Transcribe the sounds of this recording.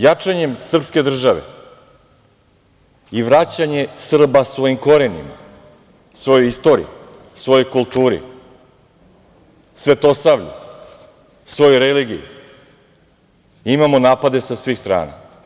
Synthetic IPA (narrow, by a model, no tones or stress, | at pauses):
jat͡ʂaɲe̞msr̩pske̞d̪r̩ʒaʋḛ | iʋɾat͡ɕaɲe̞sr̩basʋo̞jimko̞ɾenḭma̰ | sʋo̞jojist̪o̞ɾḭ | sʋo̞jo̞jkulˠt̪uːɾḭ | sʋe̞t̪o̞saʋʎṵ | sʋo̞jojɾeliɡḭjṵ | imamonaːpad̪e̞sasʋiːxst̪ɾa̰ːna̰